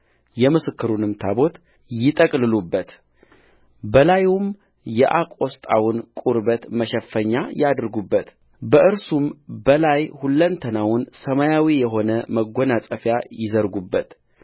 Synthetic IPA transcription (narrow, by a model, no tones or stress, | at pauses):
jɛmɨsɨkːɨɾunɨmt̪ʰabo̞t̪ | jɪt̪ʼəkʼlɨlubːət̪ | bəlajum | jɛʔakʼo̞st̪ʼa̰wʊnkʼuɾbət̪məʃɛfːəɲːajad̪ɾɡubːət̪ | bəʔɨɾsumbəlajhulːənt̪ʰənawʊnsəmajawijɛɦo̞nəməɡo̞nasʼəfjajɪzəɾɡubːət̪